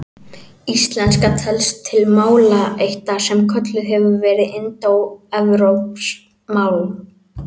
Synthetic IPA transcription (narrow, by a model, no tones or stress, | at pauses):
ist̪lɛnskat̪ʰɛlst̪ʰːɪlmaːwlaejht̪asɛmkʰœt̪lʏɛvʏvɛːɾɪɪnt̪owɛvɾowps | maːwl